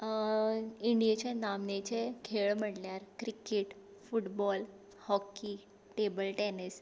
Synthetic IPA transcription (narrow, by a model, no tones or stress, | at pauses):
iɳɖijat͡ɕenamnet͡ɕekʰeɭm̤əɽljaɾkɾikeʈ | fuʈbɔl | hɔkːi | ʈebəlʈɛnis